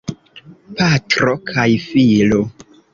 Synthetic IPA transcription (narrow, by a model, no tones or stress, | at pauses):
patɾokʰajfilo